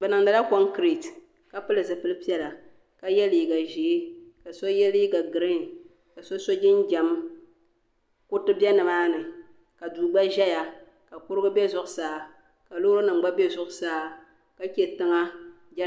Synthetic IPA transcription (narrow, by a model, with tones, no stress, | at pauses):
bɛ˨nɨ˨ŋda˨la˦kɔ˦ŋ˦kɾi˨t | ka˨pɨ˦lɨ˨zɨ˨pɨ˦lɨ˦pi˦ɛ˦la˨ | ka˦jɛ˦li˨i˨ɡa˨ʒeː˨˦ka˨so˦jɛ˦li˦ɡa˨ɡɨ˨ɾɨ˦ŋ˨ | ka˨so˦so˦d͡ʒɪ˦nd͡ʒɛ˨m | kʊ˦tɨ˦bʲɛ˦nɨ˨maː˦nɨ˨ | ka˨duː˨ɡ͡ba˦ʒɛ˦ja˨ | ka˨pʊ˦ɾɨ˦ɡɨ˦bɛ˦zʊ˦ʔʊ˨˦saː˦ | ka˨lo˦ɾo˦nɨ˨ŋ͡m̩˨˦ɡ͡ba˦bɛ˦zʊ˦ʔʊ˨˦saː˦ | ka˨kʲɛ˨tɨ˦ŋa˦ | d͡ʒɛ˦